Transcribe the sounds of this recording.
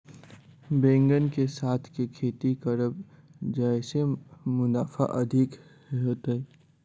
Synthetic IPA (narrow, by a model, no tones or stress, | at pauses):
bẽːŋɡənkesaːt̪ʰkekʰeːt̪ikəɾəb | d͡ʒaɪsemʊnaːfa̰ʔɐd̪ʱɪk | ɦoːt̪aɛ